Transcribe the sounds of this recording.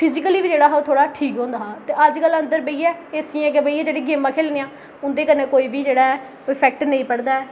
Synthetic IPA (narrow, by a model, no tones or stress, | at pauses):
pʰɪd͡ʒɪkəliːbid͡ʒeːɽaːɦot̪ʰoːɽaːʈʰiːkɦõːnd̪aːt̪eːəd͡ʒkələ̃nd̪əɾbəiːɛːeəsĩːɛ̃ːk̬ebəiːɛːd͡ʒeːɽeːɡɪːmːãːkʰeːlneːãː | ʊnd̪eːkənẽːkoːiːbiːd͡ʒeːɽaːɛː | oipʰɛːk̚ʈnəĩːpəɽd̪aːɛː